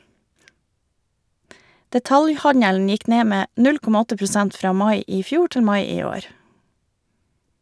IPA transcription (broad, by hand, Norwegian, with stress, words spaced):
dɛˈtɑljˌhɑɲəln ˈjɪk ˈneː ˈmeː ˈnʉl ˈkɔmɑ ˈɔtə pɾʊˈsɛnt ˈfɾɑː ˈmɑɪ ˈiː ˈfjuː ˈʈɪl ˈmɑɪ ˈiː ˈoːɾ